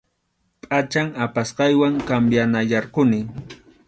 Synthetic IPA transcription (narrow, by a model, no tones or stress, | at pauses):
pʼat͡ʃaŋapasqɑjwaŋkambjanajɑɾqʊnɪŋ